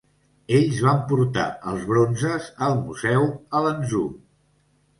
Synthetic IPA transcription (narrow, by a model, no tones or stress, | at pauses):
eʎzβampuɾt̪a̰əlˠzβɾonzəzəlˠmuzɛwələnzu